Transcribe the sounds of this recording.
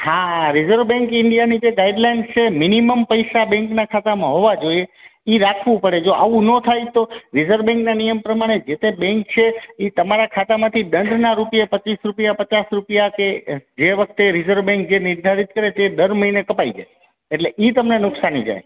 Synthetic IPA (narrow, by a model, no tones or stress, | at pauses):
hãɾizəɾʋbɛ̃ŋkɪɳɖijanid͡ʒeɡaiɖlajnst͡ʃʰeminiməmpəjsabɛ̃ŋknakʰat̪amãɦoʋad͡ʒoijeiɾakʰʋũpəɽed͡ʒoʔaʋũnõt̪ʰajt̪oɾizəɾʋbɛ̃ŋknanijəmpɾəmaɽ̃ed͡ʒet̪ebɛ̃ŋk̚t͡ʃʰeit̪əmaɾakʰat̪amãt̪ʰiɗ̪ənd̪naɾupijapət͡ʃisɾupjapət͡ʃasɾupijaked͡ʒeʋək̚ʰt̪eɾizəɾʋbɛ̃ŋk̚d͡ʒenɪɾd̪ʱaɾit̪̚kəɾet̪ed̪əɾməɦinekəpaid͡ʒa̰j | eʈleʔit̪əmnenʊksanid͡ʒa̰j